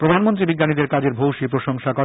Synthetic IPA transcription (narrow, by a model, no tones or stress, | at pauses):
pɾod̪ʱanmont̪̬ɾibiɡːanid̪eɾkad͡ʑeɾbʱowʃipɾoʃɔŋʃakɔ